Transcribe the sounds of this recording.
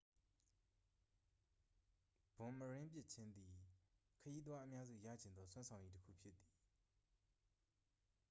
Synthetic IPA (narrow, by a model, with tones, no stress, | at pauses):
b̥ʊ̃˨məɹɪ̃˦mp̬jɪ˦ʔt͡ɕʰɪ̃˦nd̪i˨ | kʰəji˦t̪̬wa˦ʔəmja˦zṵ˦˨ja̰˦˨d͡ʑɪ̃˨nd̪ɔ˦sʰwã˦nsʰã˨ʊ̃ɲji˦təkʰṵ˦˨pʰjɪ˦t̪t̪ːi̥˨